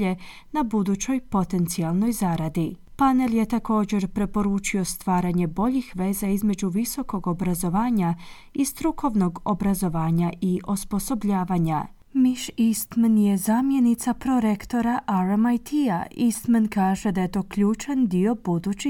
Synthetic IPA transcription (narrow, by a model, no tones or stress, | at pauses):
e | nabud̪ut͡ɕo̞jpo̞t̪e̞nt̪sialno̞jzaɾad̪i | pane̞lje̞t̪ako̞ːd͡ʑe̞ɾpɾe̞po̞ɾuːt͡ʃio̞st̪ʋaːɾaɲe̞bo̞ʎixʋe̞ːzaizme̞d͡ʑuʋiso̞ko̞ɡo̞bɾazo̞ʋaːɲa | ist̪ɾukʰo̞ʋno̞ɡo̞bɾazo̞ʋaːɲaʔiʔospo̞so̞bʎaːʋaɲa | miʃist̪menje̞zamje̞nit̪sapɾo̞ɾe̞kt̪o̞ɾaʔaɾamajt̪ʰija̰ist̪menkaːʒe̞d̪aje̞t̪o̞ːklʎuːt͡ʃand̪io̞bud̪ut͡ɕi